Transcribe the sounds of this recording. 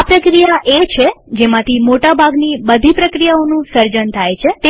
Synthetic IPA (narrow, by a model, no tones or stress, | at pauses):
pɾəkɾijaʔet͡ʃʰed͡ʒemãt̪ʰimoʈabʱaɡnibəd̪ʱipɾəkɾijaonũsəɾd͡ʒənt̪ʰajt͡ʃʰet̪e